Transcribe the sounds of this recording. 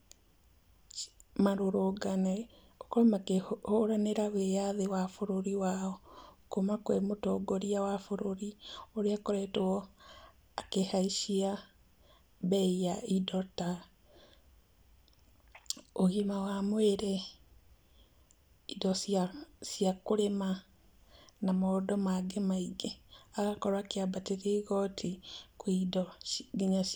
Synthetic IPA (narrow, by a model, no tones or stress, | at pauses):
maɾoɾoɡanɛ | ɔkɔɾmakehoɾaneɾawejaðewafoɾoɾiwaɔkomakwemotoɡoɾiawafoɾoɾioɾeakoɾɛtɛɔ | akehaiʃia | bɛijaidɔta | ohimawamweɾɛ | idɔssiakoɾema | namɔdɔmaɡemaiɡeaɣakɔɾwakeabateɾeɣɔtʰikwidɔɡiɲaʃ